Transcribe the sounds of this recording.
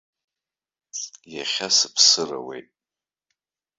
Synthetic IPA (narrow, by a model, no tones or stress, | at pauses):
jaχʲasɨpʰsɨra̰wḛjtʼ